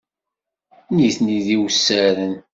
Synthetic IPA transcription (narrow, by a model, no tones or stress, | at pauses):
niθniðiwsːæɾən